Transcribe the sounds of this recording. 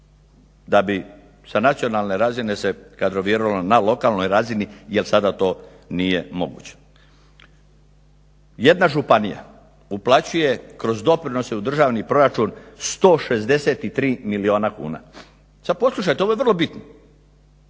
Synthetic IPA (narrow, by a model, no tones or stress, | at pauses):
d̪abi | sanat̪sio̞nalˠne̞ɾazine̞sekad̪ɾo̞ʋieɾoʋalonalo̞kaːlˠno̞jɾazinijelsad̪at̪o̞ː | nijemo̞̰ɡṵːt͡ɕe̥ | je̞d̪naʒupanija̰ | uplˠat͡ɕuje̞kɾo̞zd̪o̞pɾino̞seud̪r̩ʒaːʋnipɾo̞ɾat͡ʃuːnst̪o̞ːʃe̞zd̪e̞set̪it̪ɾiːmilio̞ːnakṵːna̰ | sad̪̚po̞slˠuʃ̬ajt̪eojeʋr̩lobit̪no